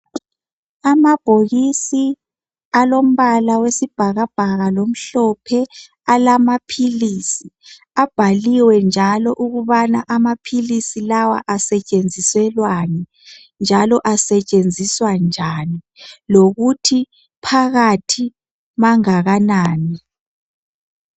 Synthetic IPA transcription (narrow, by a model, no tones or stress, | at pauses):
amab̥ʱoɣisi | alom̩βalawesib̥ʱaɣab̥ʱaɣalom̩ɬɔpʰɛ | alamapʰilisi | ab̥ʱaliwɛnd͡ʒʱalɔʔuɣuβanaʔamapʰilisilawa̰ʔasɛt͡ʃʼend͡zʱiswɛlwani | nd͡ʒʱalɔʔasɛt͡ʃʼend͡zʱiswand͡ʒʱani | loɣutʰi | pʰaɣatʰi | maŋaɣanaːni